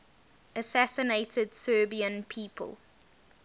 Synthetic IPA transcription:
əsæsɪneɪtʰədsɜːbiə̃npʰiːpʰə̰lˠ

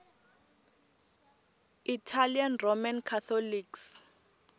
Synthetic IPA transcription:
itʰalianromankʰat̪ʰɔliks

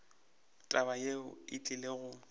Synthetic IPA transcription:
tʼabajeʊɪt͡ɬʼɪleɣʊ

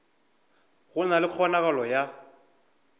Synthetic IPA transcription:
ɣʊnalɪk͡xʰɔnaɣalɔja

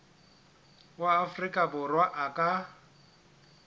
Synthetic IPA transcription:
waːfrikʼabʊrwaʔakʼa

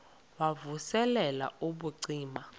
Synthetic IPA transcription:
wavusɛlɛla̰uɓuǀiːma

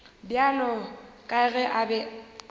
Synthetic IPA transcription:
bjalɔkʼaɣɛʔabɛ

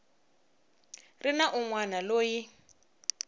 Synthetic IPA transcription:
rinaʔuŋwanaloːji

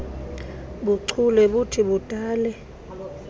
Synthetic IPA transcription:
ɓuǀʰulɛɓutʰiɓud̥ʱaːlɛ

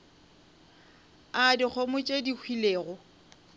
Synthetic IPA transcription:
adik͡xʰomʊt͡ʃʼedikʰwileːɣʊ

